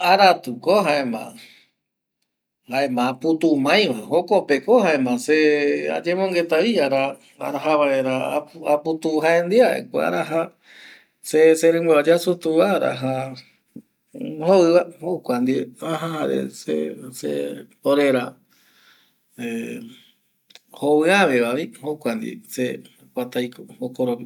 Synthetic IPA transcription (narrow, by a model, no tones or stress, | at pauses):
aɾat̪ukoɦaemã̰ | haemãput̪umãj̃ʋaɦokopekohaemãsea̰d͡ʒemõŋɡe̞t̪aiaɾa | a̰ɾaɦaβae̞ɾaaput̪uɦaẽnd̪iaʔḛkʷa̰a̰ɾaɦa | seseɾẽŋbaad͡ʒasut̪uʋaɾa̰ɦa | hoɨβahokʷand̪ieaɦãɦaɾḛsḛsḛpoɾeɾa | e | hoβɨaʋeβaβihokʷand̪ḭse | kʷat̪ajkookoɾopi